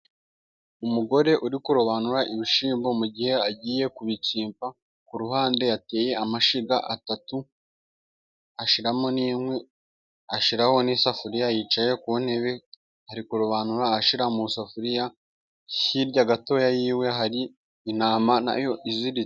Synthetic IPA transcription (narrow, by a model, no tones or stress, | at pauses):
umuɡo̞ɾe̞ʔuɾikuɾoβanuɾaʔiβiʃiːmbo̞muɟihe̞aɟiːje̞kuβiciːmpa | kuɾuɦaːnde̞jate̞ːje̞amaʃiɡaʔatatu | aʃiɾamo̞niːmŋwe | aʃiɾaho̞nisafuɾijajiːt͡ʃaje̞kuβone̞βe | haɾikuɾoβanuɾaaʃiɾamusafuɾija | hiɾɟaɡato̞ːjajiːwe̞ɦaɾiː | naːmana̰jo̞ʔiziɾi